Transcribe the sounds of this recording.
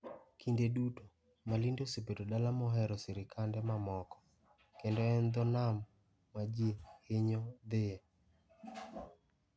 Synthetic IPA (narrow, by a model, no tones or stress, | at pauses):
kʰindeduto | malindosepetodalamɔɦɛɾɔsɪɾɪkʰandɛmamɔkɔ̥ | kendɔɛnd̪ɔnamː | ad͡ʒjeheɲɔd̪ɪɛ